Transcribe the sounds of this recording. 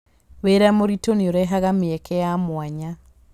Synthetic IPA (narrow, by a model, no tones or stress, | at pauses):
weɾamoɾitonioɾɛɦaɣameɛkʰɛjamwaɲa